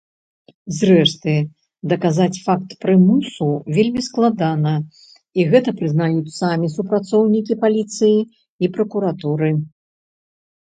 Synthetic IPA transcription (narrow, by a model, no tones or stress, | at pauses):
zrɛʂt̪ɨ | d̪ɐkazat͡sʲfak̚t̪pɾɨmusuvʲelʲmʲisklˠad̪anɐ | iɣɛt̪ɐpɾɨznajut͡sʲsamʲisupɾat̪sɔwnʲikʲipalʲit̪sɨjiː | pɾɐkuɾat̪uɾɨ